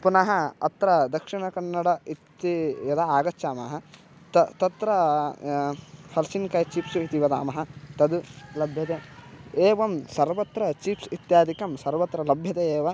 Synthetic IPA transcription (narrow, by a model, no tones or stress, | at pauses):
punɐɦɐɐ̰t̪ɾɐd̪ɐkʂiɳɐkɐɳːɐɽɐit̪ːijɐd̪ɐaːɡɐtːt͡ʃaːmaːɦɐ | t̪ɐt̪ɐt̪ɾɐ | hɐlsinkɐːjt͡ʃiːpsuit̪iʋɐd̪a̰ːmɐɦɐt̪ɐd̪ulɐbʱjɐt̪eːeːʋɐmsɐɾʋɐt̪ɾɐt͡ʃiːpsit̪jaːd̪ʱikɐmsɐɾʋɐt̪ɾɐlɐbʱjɐt̪eeːʋɐ